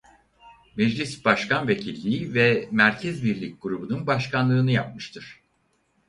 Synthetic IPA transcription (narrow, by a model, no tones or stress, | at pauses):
mɛd͡ʒlʲisb̥aʃkʰanve̞cʰilʲːiːvɛmæɾcʰɛzbiɾlʲic̚ʲɡ̥uɾubununbaʃkʰanlˠɯːnɯjap̚mɯʃt̪ʰɯɾ̥